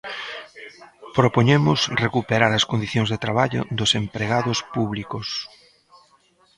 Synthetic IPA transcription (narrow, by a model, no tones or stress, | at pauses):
pɾopoɲemʊsrekupeɾaɾɐskond̪iθjõŋzðet̪ɾaβaʎʊ̰d̪ʊsempɾeɣaðʊspuβlikos